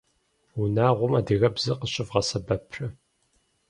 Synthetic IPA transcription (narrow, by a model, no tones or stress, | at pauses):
unaːʁʷʊmaːdiɣɐbzɨqəɕʼɪvʁɐsɐbɐpʰrɨ